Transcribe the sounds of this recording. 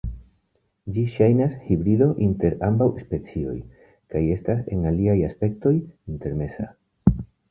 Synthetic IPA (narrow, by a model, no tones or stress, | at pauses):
d͡ʒiʃajnashibɾido̞ʔinte̞ɾambawspe̞t͡sio̞̰j | kaje̞stase̞ŋaliajaspe̞k̚to̞jinte̞ɾme̞sa̰